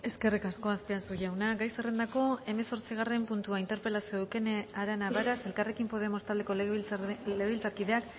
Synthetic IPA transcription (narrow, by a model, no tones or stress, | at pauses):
e̞ske̞rikasko̞aspiasuʝawnaɡajserend̪ako̞e̞me̞so̞ɾt͡siɣ̞are̞mpunt̪uaint̪e̞ɾpe̞lasiðuke̞naɾanaβaɾase̞lkare̞kimpo̞ð̞e̞mo̞st̪ald̪e̞ko̞ | leɣilt͡saɾkiðe̞ak